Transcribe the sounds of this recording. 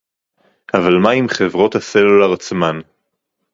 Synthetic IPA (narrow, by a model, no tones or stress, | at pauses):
avalmaimχevʁo̞t̪haselulaʁt͡sman